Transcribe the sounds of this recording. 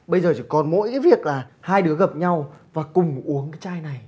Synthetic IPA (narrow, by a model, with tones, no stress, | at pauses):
ɓə˧jzəː˨˩t͡ɕʰi˧˩kɔ˨˩nmo̰˧˥jkaː˨˦jvi˨˩ək̚laː˨˩haː˧jɗɨ˨˦əɣə˨˩p̚ɲa˧wvaː˨˩kʊ˨˩ŋ͡mʔu˨˦əŋkaː˨˦jt͡ɕaː˧jna˨˩j